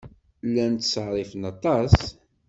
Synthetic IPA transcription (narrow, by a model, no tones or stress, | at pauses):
lːænt̪ːsʁɾˤifənɑt̪ˤɑs